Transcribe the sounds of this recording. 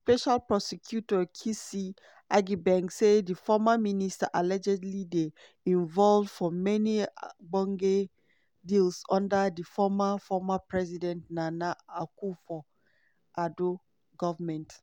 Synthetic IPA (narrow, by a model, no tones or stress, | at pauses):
spɛʃalpɹɔsɛkʰjutɔkʰisi | ʔaɡibɛ̃ŋksedifɔmaministaʔalɛd͡ʒɛdlide | ĩɱvɔlvd̥fɔmɛniɡ͡bɔ̃ŋɡe | dilsɔ̃ndədifɔmafɔmapɹɛzidɛ̃ntnanaakufɔ | ʔado | ɡɔvmɛ̃nt